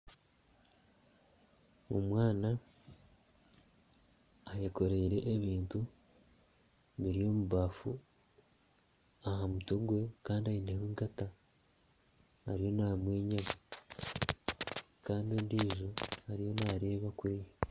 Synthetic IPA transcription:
omwaːna | jeko̞ɾe̞iɾe̞ʔːβiːntu | βiɾijo̞muβaːfu | ahamuto̞ɡwe̞kaːndiajineheːŋɡata | ɾijo̞namwe̞ːɲama | kaːndiendiːʒohaɾijo̞naːɾe̞ːβakuɾije

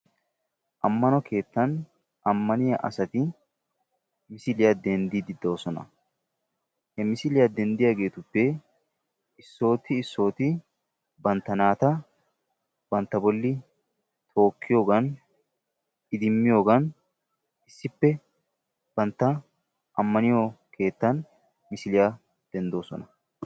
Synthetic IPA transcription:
ʔɐmːɐnɔkʰe̞ːt̪ːɐn | ʔɐmːɐnɪjɐʔɐ̰sɐt̪ɪ | mɪsɪlɪjɐd̪ɛnd̪ɪd̪ɪd̪o̞ːsɔnɐ̰ | hɛmɪsɪlɪjad̪ɛnd̪ɪjaɡe̞ːt̪ʊpːe | ɪsːo̞ːt̪ːɪːsːo̞ːt̪ɪ | bɐnt̪ːɐnaːt̪ɐ | bɐnt̪ːɐbɔlːɪ | t̪ʰo̞ːkːɪjo̞ːɡɐn | ɪd̪ɪmːɪjo̞ːɡɐn | ɪsːɪpːɛ | b̥ɐnt̪ːɐ | ʔɐmːɐnɪjokʰe̞ːt̪ːɐn | mɪsɪlɪja | d̪̥ɛnd̪o̞ːsɔ̰nɐ

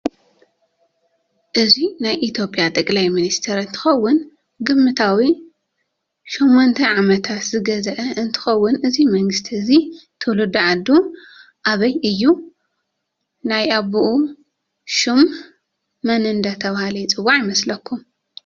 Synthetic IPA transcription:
ʔɨzinajʔit̪ʰjo̞pʼjat̪ʼɐkʼlajminist̪ʰeɾɨnt̪ʰɨ̥xɐwːʊn | ɡɨmːɨt̪ʰawi | ʃomːont̪ʰɐʕamɐt̪ʰat̪zɨɡɐzɐʔɐɨnt̪ʰɨ̥xɐwːʊnʔɨzimɐŋɡɨst̪ʰiɨzit̪ʰɨlud̪uʕad̪ːu | ʔaβɐjʔɨjːu | najaβuʔu | ʃumː | ɐnɨnd̪ɐt̪ʰɐβahalɐjt͡sʼɨwːaʕjɪmɐslɐkːum

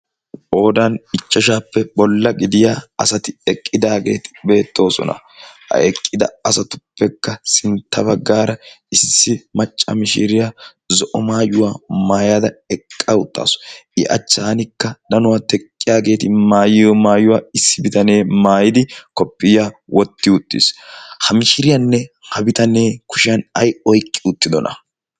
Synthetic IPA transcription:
ʔoːd̪ɐnɪt͡ʃʼːɐʃ̬aːpːɛbɔlːɐɡɪd̪ɪjaɐsɐt̪ɪɛkʼːɪd̪aːɡe̞̰ːt̪ɪ̥be̞ːt̪ʰːo̞ːsɔ̰nɐ̰ | hɐ̰ɛkʼːɪd̪ɐ̰ɐsɐt̪ʊ̥pːɛkːɐsɪnt̪ʰːɐbɐɡːaːɾɐ | ɪsːɪmɐt͡ʃʼːɐ̰mɪʃɪɾɪja | zɔʔɔmaːjʊwaːmaːjad̪ɐɛkʼːɐʊt̪ʼːa̰ːsɔ̥ɪʔɐ̰t͡ʃːaːnɪkːɐd̪ɐnʊwat̪ɛkʼːɪjaːɡe̞ːt̪ɪmaːjɪjɔmaːjʊwaːɪsːɪbɪt̪ɐne̞ːmaːjɪd̪ɪkɔpːɪjaːwɔt̪ːɪʊt̪ʼːɪ̰shɐmɪʃɪɾɪjɐnːɛhɐbɪt̪ɐneːkʊ̥ʃɪɐnɐjɔjkʼːɪʊt̪ːɪd̪ɔnɐ̰

